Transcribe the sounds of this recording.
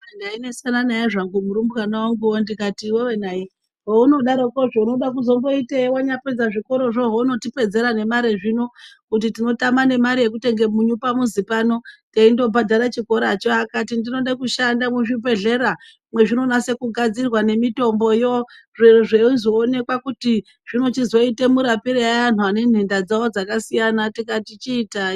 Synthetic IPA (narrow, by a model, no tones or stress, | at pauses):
endainesananajaʐaŋɡumuɾumbukanawaŋɡuondikatiwewenai | ɦouno̞ɗaɾokoʐouno̞ɗak̬uzo̞mbo̞itewaɲaped͡zaʐiko̞ɾo̞ʐo̞ɦouno̞tipe̞d͡ze̞ɾane̞maɾeʐinokut̬itino̞tamane̞maɾije̞k̬ute̞ŋɡe̞muɲupamuzipanoteindo̞badʱaɾat͡ʃiko̞ɾat͡ʃoakatindino̞ɗakuʃandamuʐip̬e̞ɮe̞ɾa | mwe̞ʐino̞nase̞kuɡʱad͡zirwane̞mito̞mbo̞jo | ʐeʐeuzoːne̞kwakuti | ʐ̥ino̞t͡ʃizo̞ite̞muɾapiɾeaan̤uane̞n̤endad͡zawod͡zakasijanatikatit͡ʃiːta